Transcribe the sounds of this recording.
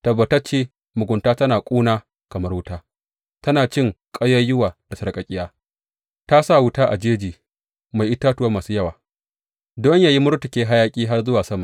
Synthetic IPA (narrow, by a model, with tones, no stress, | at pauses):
tɐ˨bːɐ˨tɐ˦t͡ʃeː˦ | mʊ˨ɡʷʊ˨ntaː˦tɐ˦naː˨kʷʼuː˦naː˦ | kɐ˨mɐ˦rwʊ˦taː˦ | tɐ˦naː˨t͡ʃɪ˦˨ŋkʼɐ˦jɐ˦jʊ˦waː˨d̥a˨sɐ˨ɽkʼɐ˨kʲʼɪ˦jaː˦ | ta˦sa˦˨wʊ˦taː˦ʔa˨d͡ʒeː˦d͡ʒiː˨ | ma˨jʔɪ˦taː˦tʊ˨ɐ˦maː˨suː˦jɐ˦waː˨ | dɔ˦ɲjaː˦ji˦mʊ˦ɾtʊ˨kʲeː˦ɦa˦jaː˦kʲʼiː˦ɦa˦rzʊ˦waː˨sɐ˦ma˨